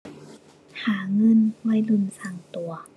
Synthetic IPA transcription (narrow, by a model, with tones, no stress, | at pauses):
haː˨˩˦ŋɤ˧˥˨nwɔ˧˥˨jlu˧˩˨nsa˧˩ŋt̪u˨˩ɐ